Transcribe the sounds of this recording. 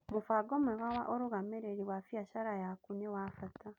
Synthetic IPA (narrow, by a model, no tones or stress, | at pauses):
mufaɡomeɣawaʔoɾuɣameɾeɾiwafijaʃaɾajakunewafatʰa